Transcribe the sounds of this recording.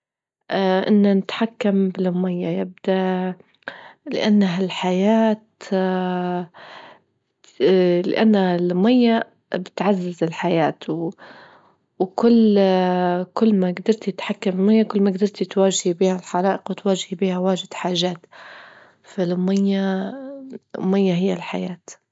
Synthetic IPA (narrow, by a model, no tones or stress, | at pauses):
ʔʔɪnːanɪt̪ħakːambɪlʊmːɪjːajɪb̚d̪̥aʔ | lɪ̰ʔanːɦalħajaːt̪ | lɪ̰ʔanːalʊmɪjːa | bɪt̪ʕazːazɪlħajaːt̪w | wkʊlː | kʊlːmaɡd̪ɑɾˤt̪ɪt̪ħakːamɪlmajːakʊlːmaɡd̪ɑɾˤt̪t̪waːʒhibiːhalħɑɾˤɑːʔɪqwɪt̪waːʒɪhbiːhawaːʒɪd̪̥ħaːʒaːt̪ | falʊmajːa | majːaɦɪjːalħajaːt̪